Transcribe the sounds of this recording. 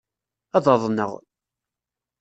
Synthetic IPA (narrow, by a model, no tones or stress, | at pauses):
æðˤɑðˤnə̰ʁ